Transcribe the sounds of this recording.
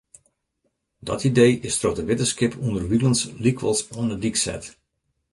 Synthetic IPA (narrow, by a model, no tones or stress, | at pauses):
dɔ̰tidejɪstrotəʋɪtəskɪpʰundərʋilˠənslikʋəlˠsɔnədiksɛ̰t